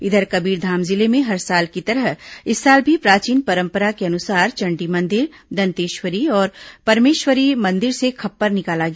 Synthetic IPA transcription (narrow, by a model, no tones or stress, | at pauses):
ɪd̪ʱəɾkɐbiːɾd̪ʱaːmzɪlemẽɦɐɾsaːlkit̪ɐɾəɦɪsːaːlbʱipɾaːt͡ʃiːnpɐɾə̃mpəɾakeɐnʊsaːɾt͡ʃɐ̃ɳɖimɐ̃nd̪ɪɾd̪ɐnt̪eːʃwəɾiɔːɾpɐɾmeːʃwəɾimɐ̃nd̪ɪɾsekʰɐpːəɾnɪkaːlaɡja